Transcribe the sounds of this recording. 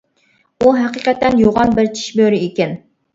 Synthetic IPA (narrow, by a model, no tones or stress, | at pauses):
uɦɛqiqɛt̪ːɛnjoʁɑnbɪɾt͡ʃʰi̥ʃbøɾiikʲɛn